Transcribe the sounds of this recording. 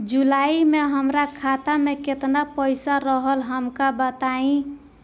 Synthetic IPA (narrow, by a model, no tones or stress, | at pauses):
d͡ʒulaimeɦəmɾakʰat̪ameket̪napəjsaɾəɦəlɦəmkabət̪aĩ